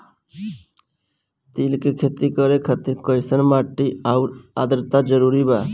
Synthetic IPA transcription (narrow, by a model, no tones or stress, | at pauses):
t̪iːlkekʰeːt̪ikəɾekʰət̪ikɔɪsənmaːʈːiaʊɾa̰ːd̪əɾt̪ad͡ʒəɾuːɾibaː